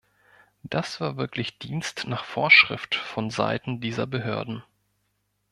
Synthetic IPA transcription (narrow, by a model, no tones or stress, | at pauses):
d̥asv̥aːɐvɪɐklɪçd̥iːnstnaːχfoːɐʃʁ̥ɪftfɔnza̰ɪtn̩diːzɐ̰bəɦø̰ːɐdn̩